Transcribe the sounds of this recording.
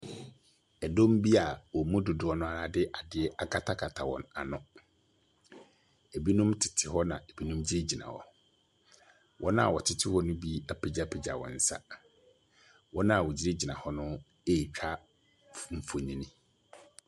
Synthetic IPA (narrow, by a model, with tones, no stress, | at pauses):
ɛ˨dõ˦m˦bi˦a˨wɔ˨mũ˦dʊ˨dʊ˨ɔ˦nʊ̃˦a˨ɾa˨dɪ˦ʔa˨dɪ˦ɛ˦ʔa˦kʰa˦tʰa˦kʰa˨tʰa˨wɔ̰̃˨na˨nʊ̃˨ | e˨bi˦nũ˦mtʰɪ̥˨tʰɪ˨hɔ˦nã̰˨e˨bi˦nũ˦md͡ʑi˦ɾe˦d͡ʑi˨nã̰˨hɔ̰˨ | wʔɔ̃˦nã˦a˨wɔ˨tʰɪ˦tʰɪ˦hɔ˦nʊ̃˦bi˦a˨pʰi˨d͡ʑa˦˨pʰe˨d͡ʑa̰˨wɔ̰̃˨n̩˨˦sa̰˦ | wʔɔ̃˦nã˦a˨wɔ˨d͡ʑi˦ɾe˦d͡ʑi˨nã˨hɔ˦nʊ̃˦ | e˦˨t͡ɕᶣʰa˦ | fm̩˨fo˨nĩ˦nĩ˦